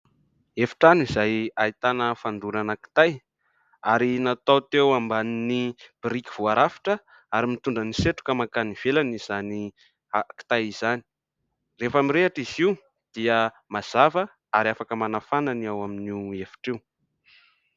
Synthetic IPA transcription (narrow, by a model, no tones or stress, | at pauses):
efi̥ʈ͡ʂanizajait̪anəfand̪uɾanəki̥t̪aj | aɾinat̪awt̪ewambaninib̥ɾiki̥v̥uaɾafi̥ʈ͡ʂə | aɾimit̪uɳɖ͡ʐəniseʈ͡ʂu̥kəmakaniv̥elaniz̥ani | aki̥t̪ajiz̥ani̥ | refamiɾeaʈ͡ʂiziw | d̪̥iə | maz̥avə | aɾiafakəmanafananiawaminiefi̥ʈ͡ʂew